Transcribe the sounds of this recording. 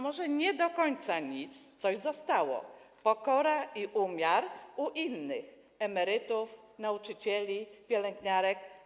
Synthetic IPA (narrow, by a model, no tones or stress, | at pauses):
mɔʐɛɲɛd̪ɔkɔɲt̪saɲit̪st̪sɔʑzɔst̪awɔ̰pɔkɔɾaiʔumʲjaɾuʔinːɘ̰x | ɛmɛɾɘt̪uf | naut͡ʂɘt͡ɕɛlʲipʲjɛlɛŋɡɲaɾɛk